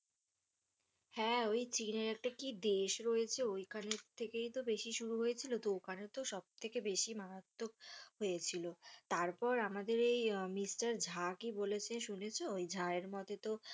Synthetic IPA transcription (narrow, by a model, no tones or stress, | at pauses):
hɛojt͡ɕineɾɛk̚ʈakid̪eʃɾojet͡ɕʰeojkʰaneɾt̪ʰekejt̪obeʃiʃuɾuɦoet͡ɕʰilod̪okanet̪oʃɔb̚t̪ʰekebeʃimaɾat̪ːokɦojet͡ɕʰilot̪aɾpɔɾamad̪eɾejmisʈaɾd͡ʑʱakibolet͡ɕʰeʃunet͡ɕʰeojd͡ʑʱaeɾmɔt̪et̪o